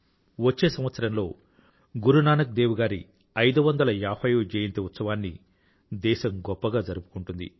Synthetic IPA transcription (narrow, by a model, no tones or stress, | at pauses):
ʋɐt͡ʃːe̞ːsɐmʋɐt̪sɐɾɐmlo̞ː | ɡuɾunaːnɐk̚d̪eːʋuɡaːɾḭ | ɐjd̪uʋɐnd̪ɐlɐjaːpɐjuːd͡ʒeːjint̪eut̪sɐʋaːnːḭ | d̪ɛːʃɐmɡɔpːɐɡaːd͡ʒɐɾupu̥kuɳʈund̪ḭ